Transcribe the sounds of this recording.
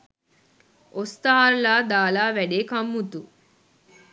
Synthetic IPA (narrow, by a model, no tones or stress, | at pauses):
ost̪aɦaɾlaːd̪aːlaːʋæɖeːkɐmːut̪u